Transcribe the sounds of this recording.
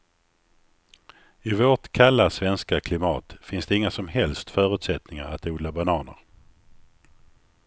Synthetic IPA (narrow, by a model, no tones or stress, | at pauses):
ɪvoːʈkʰalːasvɛnskakʰlɪmɑ̰ːt̪fɪnsd̪ɛɪŋːasɔmɦɛlst̪fœːɾʉ̟ːt̪sɛt̪nɪŋaɾa̰t̪uːd̪labanɑːnə̰ɾ